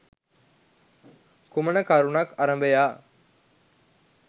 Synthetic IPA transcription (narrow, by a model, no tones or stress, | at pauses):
kumənəkaɾunɐkaɾɐmbəjaː